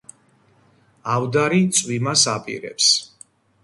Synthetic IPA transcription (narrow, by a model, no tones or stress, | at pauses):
avd̪aɾit̪sʼwimasapʼḭɾɛ̰ps